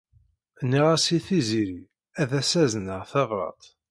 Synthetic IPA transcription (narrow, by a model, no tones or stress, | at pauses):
nːiʁæsiθiziɾi | æðæsæznəʁθɑʁɾˤɑ̰t̪ˤ